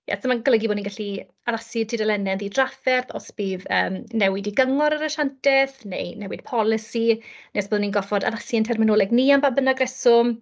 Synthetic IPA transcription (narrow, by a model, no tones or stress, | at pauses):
ja̰sʰəmaɡələɡiboːninɡaɬi | aðasɪtʰidɛlɛnɛnðidrafɛrθɔ̰sb̥iːvə̰ːmnɛwɪdiɡəŋɔɾaɾaʃantʰɛθnḛjnɛwɪd̥̚pʰɔlˠɪsinesboːðninɡɔfɔda̰ðasiəntʰɛrmɪnoːlˠɛɡniambaːbənaɡrɛsʊm